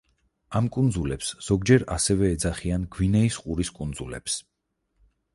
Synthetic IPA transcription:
amkʼund̪zulɛpsz̥ɔɡd͡ʒɛɾasɛvɛːd̪zaχianɡwinɛisqʼuɾiskʼund̪zulɛ̰ps

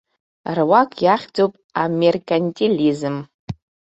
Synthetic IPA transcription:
rwakʼjaχʲd͡zowpʼamerkʼanʲtʼilizɨm

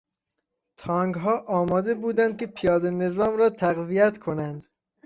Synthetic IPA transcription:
t̪ʰɒːŋɡɦɒːʔɒːmɒːd̪e̞buːd̪ænd̪̚kʲʰe̞pʰijɒːd̪ene̞zɒːmɾɒːt̪ʰæɣvijæt̪kʰo̞nænd̪

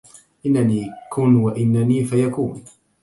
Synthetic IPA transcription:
ʔɪnːaniːkʊnwaʔɪnːaniːfajakuːn

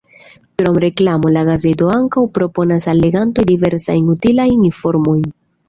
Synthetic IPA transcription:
kɾo̞mɾe̞klamo̞laɡaze̞to̞aŋkawpɾo̞po̞nasalːe̞ɡanto̞jdive̞ɾsa̰jnutilajnifo̞ɾmo̞jn

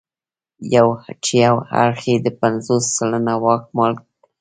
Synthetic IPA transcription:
jawhat͡ʃijawha̰ɾxed̪əpanzosːalənawɑk̚mɑl

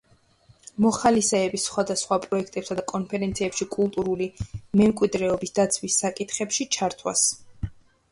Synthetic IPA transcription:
mɔχalisɛːbisχwad̪asχwapʼɾɔɛkʰt̪ʼɛpsad̪akʼɔnpʰɛɾɛnt̪sʰiɛpʃikʼulˠt̪ʼuɾulimɛmkʼwid̪ɾɛɔbisd̪̥at̪sʰwisːakʼit̪ʰχɛpʃit͡ʃʰaɾt̪ʰwa̰s

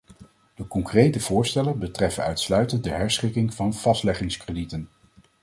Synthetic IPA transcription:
d̥əkɔŋkrejtəv̥ʊːɹstɛlənbətrɛfənœɥtslœɥtənd̚dəɦɛɹsχɪkɪŋvɑnv̥ɑstlɛχɪŋskrəditən

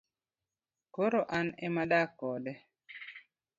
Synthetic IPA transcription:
koɾoʔanemadakːɔdɛ

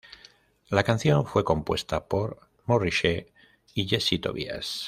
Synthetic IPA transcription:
lakan̟θjo̞ɱfwe̞ko̞mpwe̞st̪apo̞ɾ | moriʃe | iʎesit̪o̞̰βḭa̰s

